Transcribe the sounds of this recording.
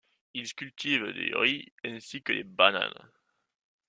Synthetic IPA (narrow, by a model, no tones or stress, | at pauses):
ilskʲylt̪ivd̪eʁiɛ̃sikəlebana̰l